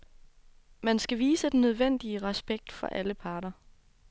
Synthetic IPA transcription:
mænsɡ̥æʋiːsəd̥enøð̞ˠʋen̰d̥iəʁɛsb̥eɡ̥̚d̥fɒ̽ʔæləpʰɑ̈ːɾ̥ɐ

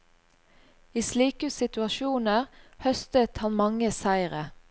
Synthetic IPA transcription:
iːsliːkəsɪt̪ʉɑʃuːnəʁhœst̪ət̪hɑnmɑŋəsæɪʁə

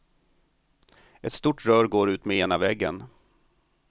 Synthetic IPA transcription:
ɛt̪st̪uːʈɾœːɾɡoːɾʉ̟ːt̪mɛeːnavɛɡːə̰n

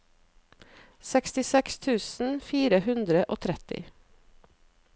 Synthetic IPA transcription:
sɛkst̪ɪsɛkst̪ʰʉːsn̩fiːɾəhʉnd̪ɾəʔoːt̪ʰɾɛt̪ɪ̰

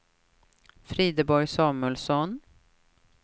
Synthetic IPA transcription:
fɾiːd̪əbɔɾjsɑːmʉəlsɔn

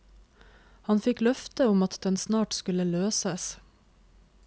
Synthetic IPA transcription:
hɑnfɪklœft̪əʊmɑt̪d̪ɛnsnɑːʈskʉləløːsəs

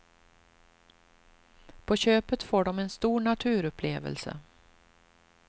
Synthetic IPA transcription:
pʰɔɕøːpət̪foːɖɔmɛnst̪uːɳat̪ʰʉ̟ːɾɵpʰleːvə̰lsə̰

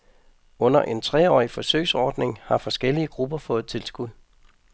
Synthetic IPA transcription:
ɔ̽n̰ɐʔe̝nt͡sʰʁɛ̰ɒ̰ːifɒ̽sø̰ɪsɒːd̥ne̝ŋhɑ̈fɒ̽sɡ̥el̰iəɡ̥ʁub̥ɐfɔ̽ːð̩ˠt͡sʰe̝lsɡ̥uð̰ˠ

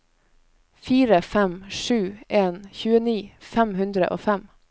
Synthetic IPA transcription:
fiːɾəfɛmʃʉːʔeːnçʉːəniːfæmhʉnd̪ɾə̰ʔo̰ːfɛm

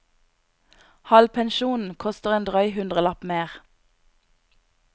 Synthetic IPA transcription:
hɑlpʰɛnʃuːnn̩kʰɔst̪əʁeːnd̪ʁœʏhʉnd̪ʁəlɑpmeːʁ

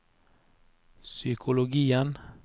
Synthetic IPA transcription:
sʏkʰʊlʊɡiːən

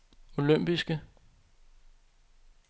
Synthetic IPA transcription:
o̝løm̰b̥isɡ̥ə

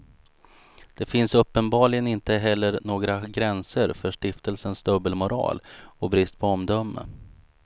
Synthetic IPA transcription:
d̪̥ɛfɪnsɵpːənbɑːɭɪɡənɪnt̪əɦɛlːəɾnoːɡɾaɡɾɛnsəɾfœʂʈɪft̪əlsənsd̪ɵbːəlmʊɾɑ̰ːlɔbɾɪst̪̚pʰɔɔmd̪œmːə̰

